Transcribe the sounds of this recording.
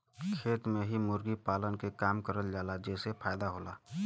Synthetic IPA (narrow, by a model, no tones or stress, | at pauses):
kʰeːt̪mẽɦimʊɾɡipaːlənkekaːmkəɾəld͡ʒaːlad͡ʒɛːsepʰaːjd̪aɦoːlaː